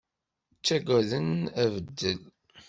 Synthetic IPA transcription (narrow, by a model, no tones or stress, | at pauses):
t͡sːæɡʷæðənævəd̪ːəl